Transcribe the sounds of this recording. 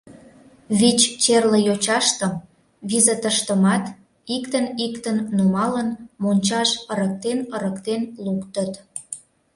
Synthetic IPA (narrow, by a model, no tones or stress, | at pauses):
βit͡ɕt͡ɕerləjot͡ɕɑʃt̪ə̆m | βizet̪əʃt̪əmɑt̪ | ikt̪ənikt̪ənːumɑlənmonʲt͡ɕɑʃəɾək̚t̪enəɾəkt̪enlukt̪ət̪